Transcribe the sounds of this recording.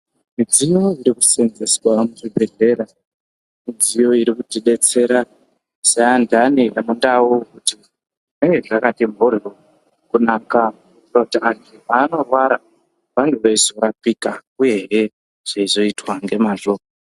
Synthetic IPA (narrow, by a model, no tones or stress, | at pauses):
mid͡zijo̞iɾiku̥senzeswamuʐibʱe̞ɮe̞ɾa | mid͡zijo̞iɾikutiɗe̞t͡se̞ɾa | sajandaniramundaukuti | neŋɡeʐakatimuɾio | kunaːka | rotiaɡemaːno̞rwaɾa | ʋanduʋaizoɾapikauje̞ɦe | ʐ̥aizo̞itwaŋɡe̞maʐoːmo